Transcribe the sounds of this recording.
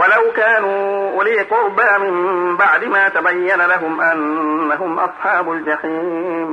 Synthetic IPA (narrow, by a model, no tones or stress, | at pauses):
walawkaːnuːʔʊliːqʊbaːmɪmbaʕd̪ɪmaːt̪abajːanalaɦʊmʔanːaɦʊmʔɑ̰sˤħɑːbʊld͡ʒaħiːm